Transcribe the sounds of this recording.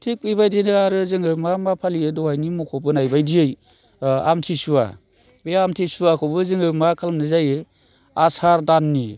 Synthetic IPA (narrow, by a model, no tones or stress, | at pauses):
tʰik̚pibajdinɯaɾɯzɯŋɯmamapʰaliedɔwajnimɔkʰɔbɯnajbajdiɯj | a̰mtʰisua̰ | beamtʰisuakʰɔbɯzɯŋɯmakʰalmnɯzajɯ | asaɾdanːi